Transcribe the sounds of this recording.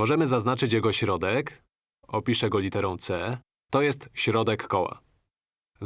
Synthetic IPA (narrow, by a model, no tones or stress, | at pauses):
mɔʐɛmɘzaznat͡ʂɘt͡ɕjɛɡɔɕɾɔd̪ɛk | ɔpʲiʂɛɡɔlʲit̪ɛɾɔ̃w̃t̪sɛ | t̪ɔjɛst̪ɕɾɔd̪ɛkːɔwa̰